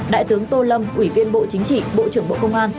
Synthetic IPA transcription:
ɗa̰ː˧˨jt̪ɨ˨˦əŋt̪o˧lə˧mʔwi˧˩vi˧ənɓo̰˧˨t͡ɕï˨˦ŋ̟t͡ɕḭ˧˨ɓo̰˧˨t͡ɕɨ˧˩əŋɓo̰˧˨kə˧wŋ͡mʔaː˧n

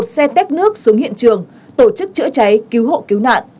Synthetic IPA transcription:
t̚sɛ˧t̪ɛ˦˥k̚nɨ˦˥ək̚su˨˦əŋhḭ˧˨ənt͡ɕɨ˨˩əŋ | t̪o˧˩t͡ɕɨ˦˥k̚t͡ɕɨ̰˧˥ət͡ɕa˨˦jki˨˦wɦo̰˧˨ki˨˦wna̰ː˧˨nʔ

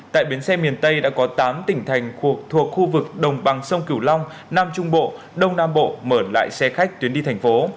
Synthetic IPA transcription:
t̪a̰ː˧˨jɓi˨˦ənsɛ˧mi˨˩ənt̪ə˧jɗa̰ː˧˥kɔ˨˦t̪aː˨˦mt̪ï˧˩ŋ̟t̪ʰa˨˩jŋ̟xu˨˩ək̚t̪ʰu˨˩ək̚xu˧vɨ˨˩k̚ɗə˨˩wŋ͡mɓa˨˩ŋsə˧wŋ͡mki˧˩əwla˧wŋ͡m | naː˧mt͡ɕʊ˧ŋ͡mɓo̰˧˨ | ɗə˧wŋ͡mnaː˧mɓo̰˧˨məː˧˩la̰ː˧˨jsɛ˧xa˦˥jk̟̚t̪wənɗi˧t̪ʰjŋ̟fo˨˦

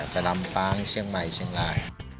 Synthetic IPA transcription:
pa˧la˧mpaː˦˥˩ŋt͡ɕʰɯ˥˩əŋma˨˩jt͡ɕʰɯ˥˩əŋlaː˧˩j

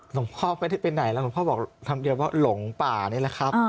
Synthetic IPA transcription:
lo˩˦ŋpʰɔː˥˩ma˧˥jda˥˩jpe˧nːa˨˩˦jla˦˥˩o˨˩˦pʰːbɔː˨˩k̚t̪ʰa˧mdi˧əwaː˥˩lo˨˩˦ŋpaː˨˩ni˥˩˨la˧˦˩kʰa˦˥p̚

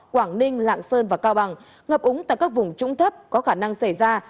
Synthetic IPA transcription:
kwaː˧˩ŋnï˧ŋ̟la̰ː˧˨ŋsəː˧nvaː˨˩kaː˧wɓa˨˩ŋ | ŋə˨˩p̚ʔʊ˨˦ŋ͡mt̪a̰ː˧˨jkaː˦˥k̚vʊ˨˩ŋ͡mt͡ɕʊ̰˧˥ŋ͡mt̪ʰə˦˥p̚kɔ˨˦xaː˧˩na˧ŋsa˧˩jzaː˧

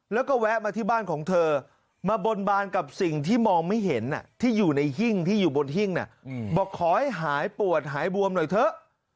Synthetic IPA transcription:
lɛː˦˥wkɔː˥˩wɛ˦˥k̚maː˧t̪ʰiː˥˩baː˥˩nkʰɔː˩˦ŋt̪ʰɤː˧ | maː˧bo˧nbaː˧nka˨˩p̚si˨˩ŋt̪ʰiː˥˩mɔː˧ŋma˥˩jɦe˩˦nːa̰˧˩t̪ʰiː˥˩juː˨˩na˧jɦi˥˩ŋt̪ʰiː˥˩juː˨˩bo˧nɦi˥˩ŋna̰˦˥˩bɔː˨˩kʰɔː˨˦ha˥˩jɦaː˩˦jpu˨˩ət̪̚ɦaː˩˦jbu˧əmnɔ˨˩jt̪ʰɤ˦˥ʔ

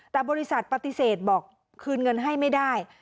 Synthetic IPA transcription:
t̪ɛː˨˩bɔː˧ɾi˧˥sa˨˩t̪̚pa˧t̪i˨˧˩seː˨˩t̪̚bɔː˨˩k̚ʰː | ɯː˧nŋɤ˧nɦa˥˩jma˥˩jdaː˥˩j

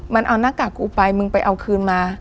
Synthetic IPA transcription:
ma˧nʔa˧wnaː˥˩kaː˨˩kuː˧˩pa˧jmɯ˧ŋpa˧jʔa˧wkʰɯː˧nmaː˧

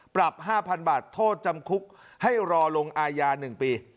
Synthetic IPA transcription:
pɾa˨˩p̚haː˥˩pʰa˧nbaː˨˩t̪ʰːoː˥˩t̪̚t͡ɕa˧mkʰu˦˥k̚ | ha˥˩jɾɔː˧lo˧ŋʔaː˧jaː˧nɯ˨˩ŋpiː˧

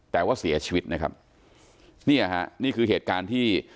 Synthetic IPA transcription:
t̪ɛː˨˩waː˥˩si˨˩˦ɐt͡ɕʰiː˧wi˦˥t̪̚na˦˥kʰa̰˦˥p̚ | niː˥˩ʔa˩ɦa̰˦˥ʔniː˥˩kʰɯː˧ɦeː˨˩t̪̚kaː˧nt̪ʰiː˥˩

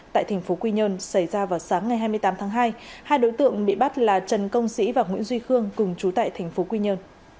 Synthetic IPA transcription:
t̪a̰ː˧˨jt̪ʰa˨˩ŋ̟fo˨˦kwi˧ɲəː˧nsa˧˩jzaː˧vaː˨˩wsaː˨˦ŋːa˨˩jɦaː˧jmɨ˧əjt̪aː˨˦mt̪ʰaː˨˦ŋɦaː˧jhaː˧jɗo̰˧˥jt̪ɨ̰˧˨əŋɓḭ˧˨ɓa˦˥t̚laː˨˩t͡ɕə˨˩nkə˧wŋ͡msḭ˧˥vaː˨˩ŋwḭ˧˥ənzwi˧xɨ˧əŋkʊ˨˩ŋ͡mt͡ɕu˨˦t̪a̰ː˧˨jt̪ʰa˨˩jŋ̟fo˨˦kwi˧ɲə˧n

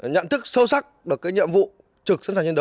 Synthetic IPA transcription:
ɲə̰˧˨nt̪ʰɨ˦˥k̚sə˧wsa˦˥k̚ɗɨ˨˩əkːaː˨˦jɲḭ˧˨əmvṵ˧˨ | t͡ɕɨ˨˩k̚snsaː˨˩t͡ɕe˧nɗə˧˦

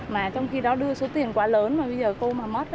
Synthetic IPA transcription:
maː˨˩t͡ɕɔ˧wŋ͡mxi˧ɗɔ˨˦ɗɨ˧əso˨˦t̪i˨˩ənkwaː˨˦ləː˨˦nmaː˨˩ɓə˧jzəː˨˩ko˧maː˨˩mə˦˥t̚

